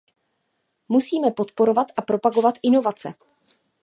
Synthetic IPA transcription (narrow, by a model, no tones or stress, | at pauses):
musiːmɛpo̞t̪po̞ɾo̞vat̪ʔapɾo̞paɡo̞vat̪ʔɪno̞vat͡sɛ